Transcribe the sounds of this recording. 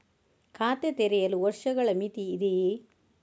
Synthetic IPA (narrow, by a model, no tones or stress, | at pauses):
kʰaːt̪et̪ɛɾɛjɐluʋɐɾʂɐɡɐɭɐmit̪iːd̪i